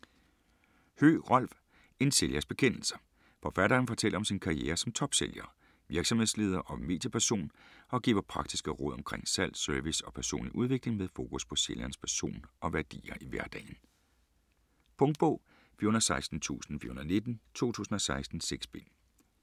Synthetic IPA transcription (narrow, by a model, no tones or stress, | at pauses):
hø̰ːʁɒ̽l̰ʋ | e̝nse̝ljɐsb̥e̝kʰen̰l̩sɐ̥ | fɒ̽fæɾ̥ɐːnfɒ̽t͡sʰel̰ɐɒ̽msinkʰɑ̈ʁieːɐsɒ̽mt͡sʰɒ̽b̥seljɐː | ʋiɐɡ̥sɒ̽mhesle̝ːð̞ˠɐʔɒ̽me̝̰ːd̥jɐpʰæɐso̝̰ːnɒ̽ɡ̥ḭːʊɐpʰʁɑ̈ɡ̥̚d̥isɡ̥əʁɔ̽ð̰ˠɒ̽mkʰʁeŋ̰sæl̰̥søɐʋisɒ̽pʰæɐso̝̰ːnliʔuð̞ˠʋe̝ɡ̥le̝ŋmeðˠfo̝ːkʰuspʰɒ̽seljɐnəspʰæɐso̝̰ːnʔɒ̽ʋæɐd̥ḭːɐʔiʋæɐd̥ɛ̰ːɪn̩ | pʰɔ̽ŋd̥̚b̥ɔ̽ʊ̰ | fḭɐhunðˠsɑ̈ɪsd̥n̩t͡sʰṵːsn̩fḭɐhunðˠne̝d̥n̩t͡sʰo̝̰ːt͡sʰṵːsn̩ɒ̽sɑ̈ɪsd̥n̩seɡ̥sb̥e̝n